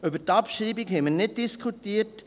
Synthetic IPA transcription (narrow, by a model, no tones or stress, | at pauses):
ʉbəɾtɑpʃɾiːbɪɡhɛməɾnɪd̚diskʰutiːɾt